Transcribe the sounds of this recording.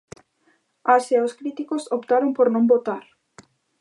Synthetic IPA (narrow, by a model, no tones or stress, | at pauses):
aseaoskɾit̪ikosopt̪aɾompoɾnõmbot̪aɾ